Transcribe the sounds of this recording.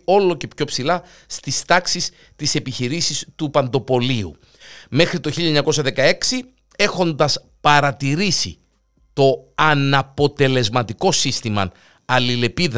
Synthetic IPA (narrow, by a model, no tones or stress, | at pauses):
o̞lo̞ce̞pço̞psilɐ | st̪ist̪ɐksis | t̪ise̞piçiɾisist̪upɐnd̪o̞po̞liṵ | me̞xɾit̪oçiʎɐeɲɐko̞sɐðe̞kɐe̞ksi | e̞xo̞nd̪ɐs | pɐɾɐt̪iɾisḭ | t̪o̞ɐnɐpo̞t̪e̞le̞zmɐt̪iko̞sist̪imɐ̰ | ɐlile̞pið